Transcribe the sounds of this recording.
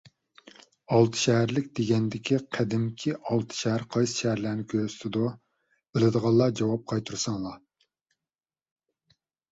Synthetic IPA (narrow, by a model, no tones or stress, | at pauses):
ɑlˠt̪ʰɨ̥ʃɛɦæɾlɪkʲd̪eɡʲɛnd̪ɪkʲʰiqʰæd̪ɪmkʲʰiɑlˠt̪ʰɨ̥ʃɛɦæɾqʰɑjsɨ̥ʃɛɦæɾlæːnɪkʲʰøɾst̪ʰɪd̪u | elˠɨd̪əʁɑlˠːɑd͡ʒɑwɑp̚qʰɑjt̪ʰuɾsɑŋlˠɑ